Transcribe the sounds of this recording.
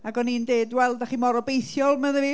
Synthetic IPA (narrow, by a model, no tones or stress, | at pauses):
aɡɔnindeːdwɛlˠdaχiːmɔɾɔbejθjɔlˠməðəvi